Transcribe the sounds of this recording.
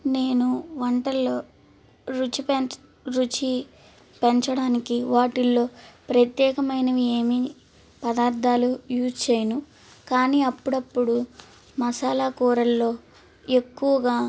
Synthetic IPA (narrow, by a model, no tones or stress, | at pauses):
ne̞ːnuʋɐɳʈɐlːo̞ː | ɾut͡ʃip | ɾut͡ʃi | peɲt͡ʃɐɽaːnikiʋaːʈilːo̞ːpɾɐt̪jɛːkɐmɐjnɐʋeːmi | pɐd̪aːɾd̪ʱaːlujuːst͡ʃeːjɐnu | kaːniːɐpːuɽɐpːuɽu | mɐsaːlaːkuːɾɐlːo̞ː | e̞kːuʋɐɡaː